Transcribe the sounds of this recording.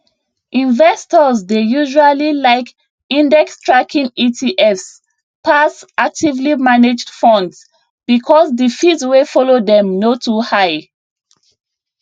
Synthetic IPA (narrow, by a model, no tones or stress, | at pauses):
ʔĩnvɛstɔzdejuʒualilaɪk | ĩndɛkstɹakʰĩŋitʰiʔɛfs | pasak̚tivlimaned͡ʒdfɔ̃nds | bikʰɔsdifitswefɔlodɛ̃mnotʰuhaɪ